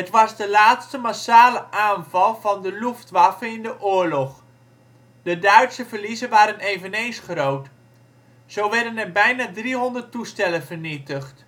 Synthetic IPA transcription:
ɦətʋɑzdəlaːtstəmasaːləʔaːnvɑlˠvɑndəluftʋafəɪndəʔʊːɹlɔχ | dədœɥtsəvərlizənʋaːɾənejvənejnsχrowt | zowʋɛɹdənɛrbɛjnaːdriɦɔndərtustɛlənv̥əɹnitəχt

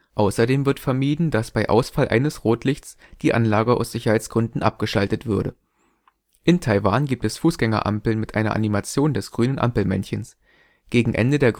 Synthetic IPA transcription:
ʔaʊsɐdeːmvɪɐtfɛɐmiːdn̩dasb̥aɪʔa̰ʊsfalʔa̰ɪnəsʁoːtlɪçs | d̥iːʔanlaːɡəʔa̰ʊsz̥ɪçɐhaɪt͡sɡ̥ʁʏndn̩ʔa̰p̚ɡ̥əʃaltətv̥ʏɐɾə | ʔɪntʰaɪvaːnɡiːp̚tɛsfuːsɡ̥ɛŋɐ̰ʔa̰mpl̩mɪtʔaɪnɐ̰ʔa̰nimat͡sjoːndɛsɡ̥ʁyːnənʔa̰mpl̩mɛ̰nçəns | ɡ̥eːɡŋ̩ʔɛ̰ndədeːɐ

